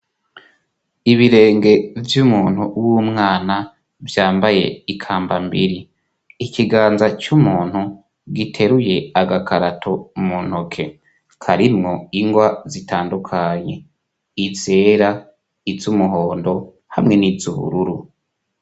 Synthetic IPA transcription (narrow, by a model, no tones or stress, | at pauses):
iβiɾe̞ːŋɡe̞vjumuːn̥huwumŋaːna | vjaːmbaje̞̰ikʰaːmbambiɾiː | kiɡaːnzat͡ʃumuːn̥hu | ɡitʰe̞ɾuje̞aɡakʰaɾatʰomun̥hokʰe̞ | kʰaɾimŋo̞iŋɡwazitʰaːndukʰaɲe̞ | it͡se̞ːɾa | izumuɦo̞ːndo̞ | hamŋe̞nizuβṵɾuɾu